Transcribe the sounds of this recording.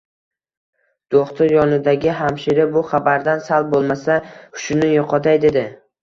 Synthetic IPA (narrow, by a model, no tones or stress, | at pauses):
d̪̥oχt̪ʰʊɾjɒnɪd̪aɡʲɪɦamʃɪɾɪbʊχabaɾd̪ansal̚ˠbolˠmasaʊ̥ʃʊnɪjoqʰɒt̪ʰajd̪e̞d̪ɪ